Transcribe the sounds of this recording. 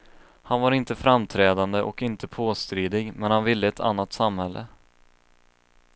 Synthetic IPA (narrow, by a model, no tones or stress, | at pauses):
hanvaɾɪnt̪əfɾamt̪ʰɾɛːd̪and̪əʔɔkɪnt̪əpʰoːst̪ɾiːd̪ɪɡmɛnhanvɪlːəɛt̪ʰa̰nːat̪samhɛlːə̰